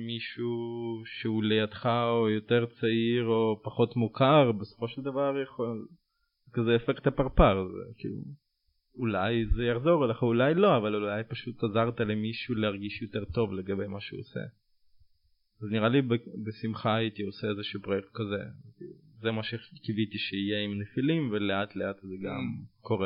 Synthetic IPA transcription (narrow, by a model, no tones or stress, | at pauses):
miʃuʃeulejad̪χaojo̞teʁt͡saiʁopaχo̞tmukaʁbeso̥fo̞ʃeld̪avaʁjaχol | ekazeefekt̪apaʁpaʁzḛkḭːlṵ | ulajzejaχzo̞ʁleχaulajlo̞avalulajpaʃut̪azaʁtalemiʃuleaʁɡiʃjo̞teʁt̪o̞vle̞ɡabe̞jmaʃeosḛ | azniʁalibebesimχaːitioseezeʃupʁojek̚t̪̚kazḛiti | zemaʃekivitiʃeijeimnefilimveleat̪leatzeɡa̰mko̞ʁe